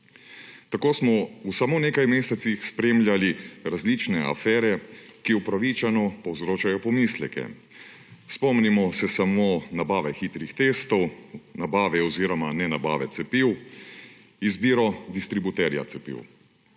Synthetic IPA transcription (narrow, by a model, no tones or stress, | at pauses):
t̪akoːsmɔusamoːnekajmeːsɛt̪sixspɾemlʲjaliɾazlit͡ʃnɛa̰fɛːɾɛkiupɾaʋit͡ʃanɔpɔwzɾoːt͡ʃajɔpɔmislɛkɛ̰ | spɔmnimɔsɛsamonabaːʋɛxit̪ɾixt̪eːst̪ɔwnabaːʋɛɔziɾɔmanɛnaba̰ːʋɛt̪sɛpiw | izbiːɾɔd̪ist̪ɾibut̪ɛɾja̰t̪sɛpḭw